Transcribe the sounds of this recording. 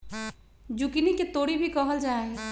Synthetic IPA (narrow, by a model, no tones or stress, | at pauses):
d͡ʒukiniket̪oːɽibʱikəɦəld͡ʒaːe